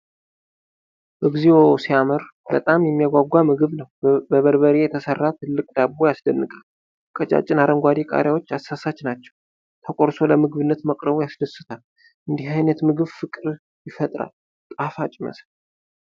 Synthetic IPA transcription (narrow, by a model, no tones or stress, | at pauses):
bəɡziwosiamɨɾbət̪ʼamjɛmːijaɡʷaɡʷːamɨɡɨβnəwbəβəɾβəɾejɛt̪ʰəsərːat̪ʰɨlːɨkʼd̪abːojasd̪ənːɨkʼal | kʼət͡ʃʼa̰t͡ʃʼɪnaɾəŋɡʷad̪ikʼa̰ɾjawo̞t͡ʃːasːasat͡ʃnat͡ʃːɛ̥w | t̪ʰəkʼoɾso̞ləmɨɡɨβɨnːət̪məkʼɾəβujasd̪əsɨt̪ʰal | ʔɨnd̪iɦajnət̪mɨɡɨβfɨkʼɨɾ | jɪfət̪ʼɾa̰l | t̪ʼafat͡ʃʼɪmə̰sl